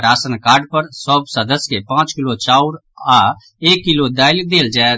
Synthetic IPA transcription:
ɾaːsənkaːɾɖpəɾsɔːbsəd̪əskepãːt͡ʃkɪloːt͡ʃaːuɾaː | eːkːɪloːd̪aːɪlk̚d̪eːld͡ʒaːe

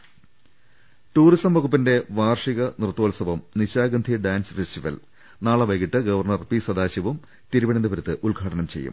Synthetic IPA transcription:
ʈuːrisɐmʋɐɣupːinde̞ʋaːrʂiɣɐnirt̪ːoːlɐsɐʋɐmniɕaːɡɐnd̪ʱiɖaːnsfesʈiʋɐ̰l | naːɭɐʋɐjɣiʈːɨɡɐʋɐrɳɐrpiːsɐd̪aːɕɐʋum | t̪iɾuʋɐɳɐnd̪ɐpɐɾut̪ːɨʔulɡʱaːʈɐnɐmt͡ɕejːṵm

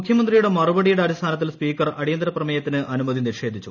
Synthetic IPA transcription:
mukʰjɐmɐnd̪rijuɽe̞mɐrubɐɽijuɽe̞ɐɾist̪ʰaːnɐt̪̬ːilspiːkːɐrɐɽijɐnd̪ɾɐprɐmɐjɐt̪ːinɨʔɐnumɐðinirʂe̞ːd̪ʱit͡ɕːu

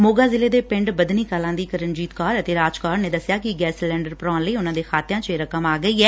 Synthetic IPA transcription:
moːɡaːzɪleːd̪eːpɪ̃ɳɖbəd̪niːkaːlãːd̪iːkəɾənd͡ʒiːt̪kaːɾət̪eːɾaːd͡ʒkaːɾneːd̪əsɪjaːkɪɡɛːslɛ̃ːɳɖəɾpɾãːnləiːʊnãːd̪eːxʰaːt̪ɪjãːt͡ʃeɾəkəmaːɡəiːɛː

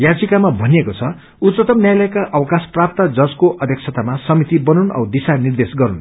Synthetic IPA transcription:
jad͡zikamabʱʌniekot͡sʰʌ | ut̪sʌt̪ʌmnjajlʌjkaʔʌwʌkasprap̚t̪ad͡zʌskoʔʌd̪ʱjʌkt͡sʰʌt̪amasʌmit̪ibʌnunʌ̰wd̪isanird̪esɡʌɾun

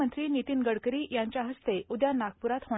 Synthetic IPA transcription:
ənt̪ɾiːnit̪iːnɡəɽkəɾiːjaɲt͡ɕjaɦəst̪eud̪janak̚puɾat̪ɦo

